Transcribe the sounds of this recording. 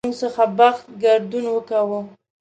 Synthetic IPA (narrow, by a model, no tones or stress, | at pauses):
uŋɡsəxabaxt̪̚ɡaɾd̪unwəkawə